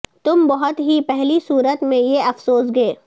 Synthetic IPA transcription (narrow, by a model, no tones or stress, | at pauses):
t̪ʊmbɐɦʊt̪ɦipɛɦlisuːɾət̪mẽjeɐfsoːsɡeː